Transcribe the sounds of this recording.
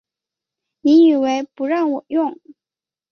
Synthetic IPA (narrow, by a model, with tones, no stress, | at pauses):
ni˧˥ni˨˩we˧˥ɪpu˧˥ɻɑ˥˩ŋwɔ˨˩jʊ˥˩ŋ